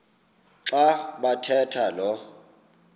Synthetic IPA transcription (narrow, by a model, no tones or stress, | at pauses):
ǁaɓatʰɛtʰalɔ